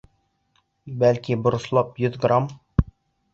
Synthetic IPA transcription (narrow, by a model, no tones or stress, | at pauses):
bælkʲibʊɾʊ̆slˠɑpjʏðɡram